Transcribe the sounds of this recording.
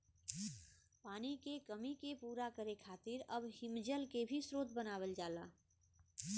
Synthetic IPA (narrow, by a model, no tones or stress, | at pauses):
paːnikekəmikepuːɾakəɾekʰaːt̪ɪɾəbhɪmd͡ʒəlkebʱisɾoːt̪̚bənaːwəld͡ʒaːla̰ː